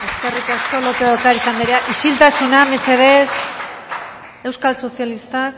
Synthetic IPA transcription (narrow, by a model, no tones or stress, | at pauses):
e̞skerit̪asko̞lop̪eðokaɾisand̪iɾeaʔiʃilt̪asunamese̞ðe̞s | e̞wskalso̞sjalist̪ak